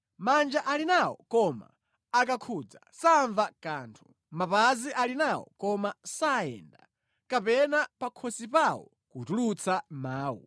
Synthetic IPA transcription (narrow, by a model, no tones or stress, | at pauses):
mand͡ʒaʔalinawɔ̰kɔma̰ː | kakʰuːd͡zasaɱvakaːntʰu̥ | mapaziʔalinawɔ̰kɔmasaɛ̰nda̰ | kapɛnapakʰɔsipawɔ̰ | kutulut͡sʰamaːwṵ